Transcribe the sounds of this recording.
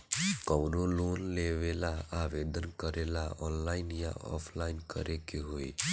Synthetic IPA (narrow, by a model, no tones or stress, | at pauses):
kɔwɾoloːnleʋelaaʋeːd̪ənkəɾelaɔːnlaːɪnjã̰ɔ̰pʰlaːɪnkə̰ɾekeɦoḭ